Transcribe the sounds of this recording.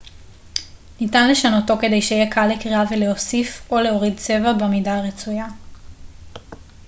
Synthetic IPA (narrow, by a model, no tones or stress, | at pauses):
nitanle̞ʃano̞to̞ke̞de̞jʃejekʰalːekʁiaveleo̞sifo̞le̞o̞ʁid̚t͡se̞vabemidaʁet͡suja